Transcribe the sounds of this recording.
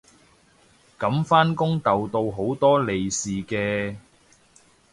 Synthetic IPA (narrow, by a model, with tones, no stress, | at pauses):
kɐ˨˥mfaː˥nkʊ˥ŋt̪ɐ˨wt̪o˧wɦo˨˥wt̪ɔː˥le˨jsiː˨kɛː˧